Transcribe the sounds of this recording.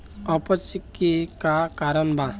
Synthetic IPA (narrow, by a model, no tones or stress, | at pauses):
ʌpʌt͡ʃikːekakaɾʌnbã